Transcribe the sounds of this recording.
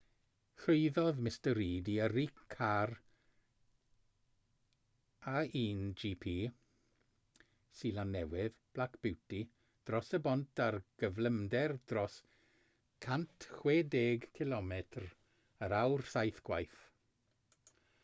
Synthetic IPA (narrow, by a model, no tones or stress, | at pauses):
ɬʊjðɔðmɪstəɾiːdiəɾikʰːar | aiːnd͡ʒiːpʰiː | silanːɛwɪðb̥lakʰb̥ɪwti | d̥rɔsəbɔntʰarɡ̥əvləmdɛrd̥rɔs | kʰantʰχweːdeːɡkʰɪlɔmɛtʰr | əɾawrsajθɡ̥wajθ